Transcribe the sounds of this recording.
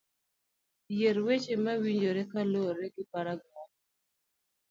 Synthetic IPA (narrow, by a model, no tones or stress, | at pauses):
jeɾwet͡ʃemawiɲd͡ʒoɾekaloɾeɡɪpaɾaɡɔ